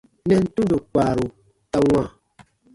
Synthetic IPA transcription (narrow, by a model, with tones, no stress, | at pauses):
nɛ˦n̩˦tu˦do˨k͡paː˨ɾu˨ | ta˦ŋʷã˦˨